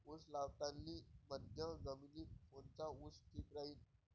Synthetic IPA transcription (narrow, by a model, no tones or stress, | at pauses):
uslaʋt̪ãnːiːməd̪ʱjə̃ɡəmiliːt̪fõnt͡sausʈʰiːt̪ɾaɦiːn